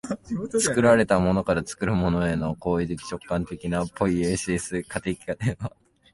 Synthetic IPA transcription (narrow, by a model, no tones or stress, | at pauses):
t͡sɨ̥kɯ̟ɾaɾe̞t̪amo̞no̞kaɾat͡sɨ̥kɯ̟ɾɯ̟mo̞no̞e̞no̞ko̞ːid̪ekʲi̥t͡ɕo̞kːãnt̪e̞kʲinapːo̞ieɕiːsɨkʰat̪ekʲi̥kat̪eβa